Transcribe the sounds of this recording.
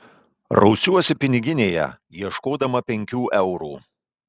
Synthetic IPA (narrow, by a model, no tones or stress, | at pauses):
ɾɒ̰ʊsʲuɔsʲɪpʲɪnʲɪɡʲɪnʲeːjɛ̰ | jiɛʃkoːd̪ɐmɐpʲɛŋʲkʲuːʔɛʊɾuː